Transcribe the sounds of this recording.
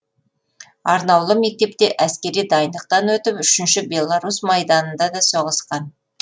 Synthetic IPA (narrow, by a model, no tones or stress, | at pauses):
ɑɾnɑwlˠəme̞k̚t̪e̞p̚t̪e̞ʔæskʲe̞ɾijd̪ɑjənd̪əq̚t̪ɑnwɵt̪ɪpʏʃɪnʃɪbʲe̞lˠaɾusmɑjd̪ɑnənd̪ɑd̪ɑso̞ʁəsqɑn